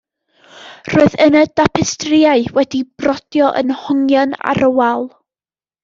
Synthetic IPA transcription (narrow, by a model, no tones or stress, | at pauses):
roːɨðənədapʰɛstrɪaɨwɛdib̥rɔd̥jɔʔə̰nhʊŋjana̰ɾəwalˠ